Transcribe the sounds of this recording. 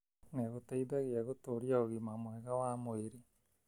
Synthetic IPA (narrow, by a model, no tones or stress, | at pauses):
neɣoteidaɣeaɣotoɾiaoɣimamwɛɣawamoeɾi